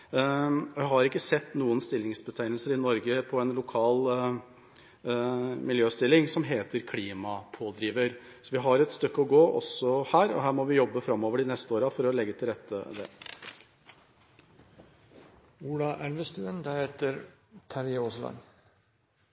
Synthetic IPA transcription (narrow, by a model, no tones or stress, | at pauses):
ɔjæɪɦɑɾɪkːəsɛt̪ːnuːənst̪ɪlːɪŋsbət̪ʰæɪnəlsəɾɪnɔɾɡəpʰɔɛnlʊkʰɑːl | mɪljøːst̪ɪlːɪŋsɔmɦeːt̪əɾkʰliːmɑpʰoːd̪ɾiːʋəɾ | sɔʋɪɦɑɾɛt̪st̪œkːəɔɡoːʔɔ̰sɔhæːɾɔ̰ɦæːɾmɔʋɪjɔbːəfɾɑmːoːʋəɖɪnɛst̪əoːɾɑfɔɾɔlɛɡːət̪ʰɪlɾɛt̪ːə̰d̪ɛ̰ː | uːlɑʔælʋəst̪ʉːənd̪æɾheːt̪əɾt̪ʰæɾjoslɑ̰n